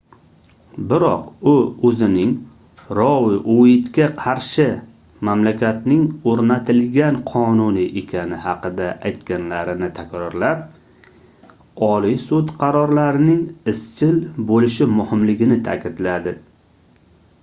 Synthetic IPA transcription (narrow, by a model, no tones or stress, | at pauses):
bɪɾɒqʊɵzɪnɪŋ | ɾɒwɪʔoɪt̪kʲaqʰɑɾʃɪ | mamlakʲʰat̪nɪŋoɾnat̪ʰɪlɡʲanqʰɒnʊnɪʔekʲʰanɪhɑqɨd̪aʔajt̪kʲanlaɾɪnɪt̪ʰakʲɾɒɾlap̚ | ɒlijsut̪qʰɑɾɒɾlaɾɪnɪŋɪst͡ʃʰɪlbolɪʃɪmʊhɪmlɪɡʲɪnɪt̪ʰa̰kʲɪd̪lad̪ɪ